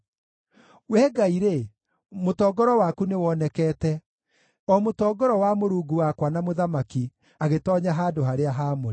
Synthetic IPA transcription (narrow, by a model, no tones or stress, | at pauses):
wɛːɡaiɾe | motɔːɡɔɾɔwakunewɔnɛkɛːtɛ | ɔmotɔːɡɔɾɔwamoɾuːɡuwakwanamoðamaki | aɣetɔːɲaɦaːdoɦaɾeaɦamoe